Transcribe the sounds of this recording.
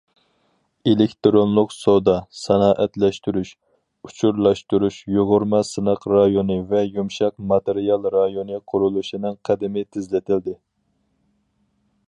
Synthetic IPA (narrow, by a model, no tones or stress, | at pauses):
elekʲt̪ɾonlˠʊqsod̪ɑsɛnɑːʔɛt̪lɛʃt̪yɾyʃ | ut͡ʃʰuɾlˠɑʃt̪uɾuʃjoʁʊɾmɑsɨnɑqɾɑjonɨvɛjumʃɑqmɑt̪eɾijɑlˠɾɑjonɨqʰʊɾulˠuʃinɨŋqʰæd̪ɪmɪt̪ʰɪzlɪt̪ʰɪld̪ɪ